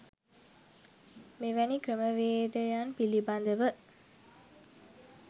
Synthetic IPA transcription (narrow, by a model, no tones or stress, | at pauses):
meʋænikɾəməʋeːd̪əjanpiliband̪əʋə